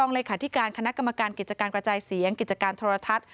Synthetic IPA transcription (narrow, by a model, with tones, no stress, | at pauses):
ɔː˧ŋleː˧kʰaː˩˦t̪ʰi˦˥kaː˧nkʰa˧na˦˥ka˧mːa˧kaː˧nki˨˩t̪̚t͡ɕa˧kaː˧nkɾa˧t͡ɕaː˧jsi˩˦əŋki˨˩t̪̚t͡ɕa˧kaː˧nt̪ʰoː˧ɾa˧t̪ʰa˦˥t̪̚